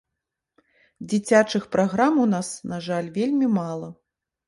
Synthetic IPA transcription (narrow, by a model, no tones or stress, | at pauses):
d͡zʲit͡sʲat͡ʂɨxpɾaɣɾamunasnaʐalʲvʲelʲmʲimalˠɐ